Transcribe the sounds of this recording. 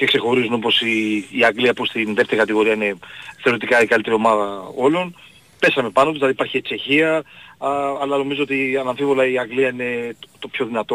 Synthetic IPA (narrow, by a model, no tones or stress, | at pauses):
cekse̞xo̞ɾizunopo̞siːɐŋɡliɐpust̪inðe̞ft̪e̞ɾikɐt̪iɣo̞ɾiɐine̞θeoɾit̪ikɐikɐlit̪eɾio̞mɐðɐo̞lo̞n | pe̞sɐme̞pɐno̞p̪̬zlɐðipɐɾçiet͡ʃe̞çiɐː | lɐno̞mizoot̪iɐnɐɱfivo̞lɐiɐŋɡliɐine̞t̪o̞pço̞ðinɐt̪o̞